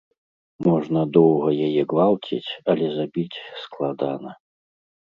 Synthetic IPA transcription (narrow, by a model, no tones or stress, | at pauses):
mɔʐnɐd̪ɔwɣɐjajɛɡvalˠt͡sʲḭt͡sʲɐlʲɛzabʲit͡sʲsklˠad̪anɐ